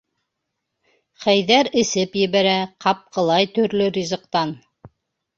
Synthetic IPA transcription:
χæjðæɾɘ̆sɘpjɘ̆βæɾæqɑp̚qɤ̆lˠɑjt̪ɵ̆ɾlɵɾʲizɤ̆qt̪ɑn

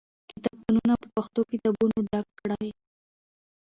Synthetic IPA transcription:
kit̪ab̚t̪ununapəpaxt̪okit̪abunoɖakːɽaj

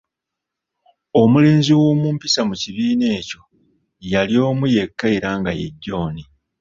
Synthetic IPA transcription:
o̞mule̞ːnziwo̞ːmuːmpisamuciβiːne̞ːco̞ | jaljo̞ːmuje̞kːaiɾaːŋɡa̰je̞̰ɟːo̞ːni

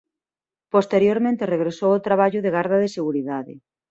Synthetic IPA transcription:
post̪eɾjoɾmẽnt̪ɪreɣɾesowot̪ɾaβ̞aʎʊðeɣaɾð̞ɐðeɪseɣuɾiðaðɪ̰

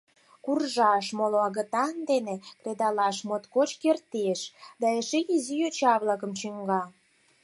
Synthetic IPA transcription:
kurʒɑʃmoloɑɣə̆t̪ɑnd̪enekred̪ɑlɑʃmot̪kot͡ɕkert̪eʃd̪ɑeʃeizijøt͡ɕɑβlɑkə̆mt͡ɕyŋɡɑ

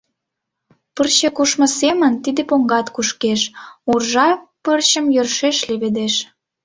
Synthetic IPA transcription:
pərɕekuʃmə̆semənt̪id̪epoŋɡɑt̪kuʃkeʃurʒɑpərɕə̆mjørʃeʃleβed̪eʃ

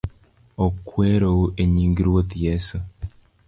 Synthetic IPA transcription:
okweːɾowuʔeɲiːŋɡiɾwot̪jesu

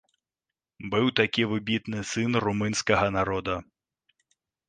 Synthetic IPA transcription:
bɨwt̪akʲiʋɪbʲit̪nɪsɪnrumɪnʲsʲkɐɦɐnaɾɔd̪ɐ

